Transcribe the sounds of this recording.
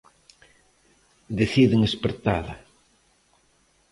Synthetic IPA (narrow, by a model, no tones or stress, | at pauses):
d̪eθiðeŋespeɾt̪aðɐ